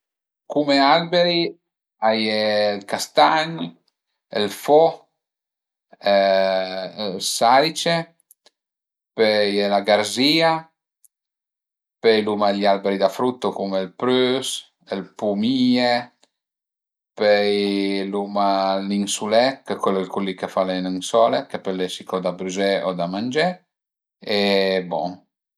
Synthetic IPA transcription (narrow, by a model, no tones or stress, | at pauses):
kumealbeɾi | ajelkast̪aɲ | elfɔ | ɛ | lsalit͡ʃe | pɛjelaɡaɾziːa | pejlumaʎalbeɾid̪afɾut̪ːokumelpɾøs | elpumie | pɛjlumalinsulɛkekwelːɛlkulːikefalenaŋsɔːlekepelːesikɔd̪abɾyzɛɔd̪amand͡ʒɛ | ebɔŋ